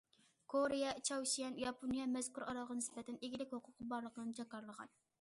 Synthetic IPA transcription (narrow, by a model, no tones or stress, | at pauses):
kʰoɾɪjɑt͡ʃʰɑwʃijɛnjɑpʰonijɑmɛz̥kʲuɾʔɑɾɑlˠʁɑnɪspɛt̪ʰɛneɡʲilɪkʲhoqʰʊp̚qʰɑbɑɾlˠəqʰənɨnt͡ʃʰɑkɑɾlˠəʁɑ̰n